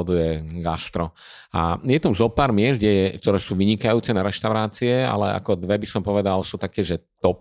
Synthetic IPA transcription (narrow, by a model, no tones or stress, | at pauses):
ɔd̪ujɛɡast̪ɾɔ | a̰jɛt̪amzɔpaːɾmɪɛsɡɟɛjɛk̚t̪ɔɾɛːsuːʋiɲikajuːt͡sɛnaɾɛʃt̪aʊɾaːt͡siɛa̰lɛa̰kɔd̪ʋɛbisɔmpɔʋɛd̪alsuːt̪akɛːʒɛt̪ɔp